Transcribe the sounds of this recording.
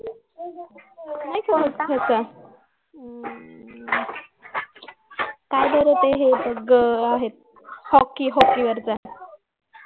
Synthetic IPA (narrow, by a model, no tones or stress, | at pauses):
najkʰəkʰəskʰəsa | kajd̪əɾət̪eɦebəɡəaɦet̪̚ | hɔkːiɦɔkːiʋəɾt͡saɦet̪